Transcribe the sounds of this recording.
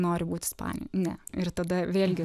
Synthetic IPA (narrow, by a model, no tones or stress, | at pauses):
noːɾʲɪbuːt̪ʲɪspɑ̰ːnʲɪ̰jnʲɛɪɾt̪ɐd̪ɐʋʲeːlʲɡʲɪ